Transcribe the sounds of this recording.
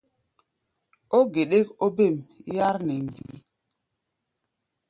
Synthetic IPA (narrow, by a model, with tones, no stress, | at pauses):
o˦ɡe˨ɗe˦ko˦be˦˨mja˦ɾnɛ˨m˨bḭ˨˦